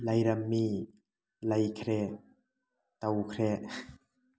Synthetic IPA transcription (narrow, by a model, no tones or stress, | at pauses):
lajɾamːi | lajkʰɾɛʔ | t̪awkʰɾɛʔ